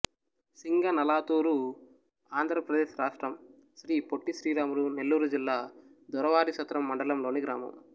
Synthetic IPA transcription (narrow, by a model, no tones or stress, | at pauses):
siŋɡɐnɐlaːt̪uːɾu | aːnd̪ʱɾɐpɾɐd̪eːʃɾaːʂʈɾɐm | ʃɾiːpoʈːiʃɾiːɾaːmuɾune̞lːuːɾud͡ʒilːaːd̪ɔɾɐʋaːɾiʃɐt̪ɾɐmːɐɳɖɐlɐmlo̞ːniɡɾaːmɐ̰m